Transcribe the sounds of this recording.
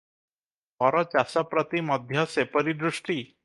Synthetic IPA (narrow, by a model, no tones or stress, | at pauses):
fɔɾɔt͡ɕasɔpɾət̪iməd̪ʱjəsepəɾid̪ɾuʂʈiː